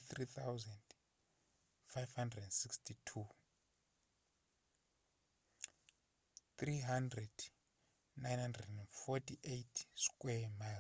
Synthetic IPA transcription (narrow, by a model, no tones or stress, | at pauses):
θrit̪ʰawzɛnd | fajvhandrɛdɛndsikstʰitʰu | t̪riɦandrɛd̥ | najnhandrɛdɛnfɔtʰiʔejtʰskʼwɛma